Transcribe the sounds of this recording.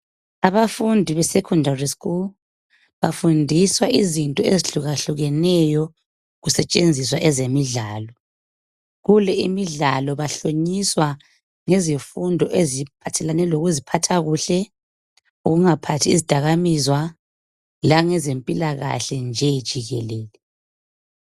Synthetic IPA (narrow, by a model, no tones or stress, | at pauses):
aβafundʱiβɛsɛkʰɔndariskʼul | βafundʱiswaʔizintʼɔeziɬuɣaɬuɣɛnɛjɔ | ɣusɛt͡ʃʼend͡zʱiswaʔɛzemiɮaːlɔ | ɣulɛimiɮalɔβaɬoɲiswa | ŋezifundʱɔʔezipʰatʰɛlanɛloɣuzipʰatʰaɣuɬɛ | uɣuŋapʰatʰiːzid̥ʱaɣamizwa | laŋɛzempʼilaɣa̰ɬɛnd͡ʒʱɛjid̥ʒ̥ʱiɣɛleːlɛ